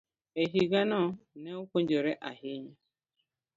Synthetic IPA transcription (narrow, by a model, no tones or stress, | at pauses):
eɦiɡanɔneokʷond͡ʒeɾeʔaɦiɲe